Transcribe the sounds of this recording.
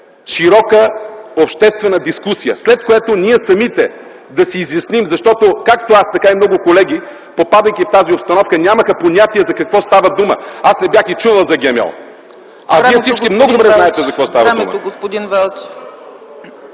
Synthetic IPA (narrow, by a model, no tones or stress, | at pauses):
ʃiɾɔkəopʃt̪ɛst̪vɛnəd̪iskusijə̰slɛt̪̚koɛt̪onʲiɛsɐmit̪ɛ | d̪ɐsiːzjɐsnimzɐʃt̪ɔt̪okakt̪oast̪ɐkaimnɔɡʊkolɛɡ̟i | popad̪əjkift̪aziopst̪ɐnɔfkənʲaməxɐponʲat̪iɛzɐkɐkvɔst̪avɐd̪umə̰asnɛbjaxit͡ʃuvɐlˠzɐɡʲɛmɛ̰lˠ | ɐiɛsit͡ʃkimnɔɡod̪obɾɛzznaɛt̪ɛzɐkvɔst̪avɐd̪ṵmə̰ɡospod̪invɛlˠt͡ʃ